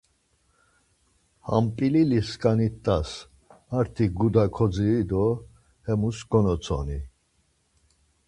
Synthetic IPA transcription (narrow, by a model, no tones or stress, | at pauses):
ha̰mpʼililiskʼanit̪ʼːas | maɾt̪ʰiɡud̪akʰɔd͡zid̪ɔ | hɛmusɡ̥ɔnɔt͡sʰɔ̰ni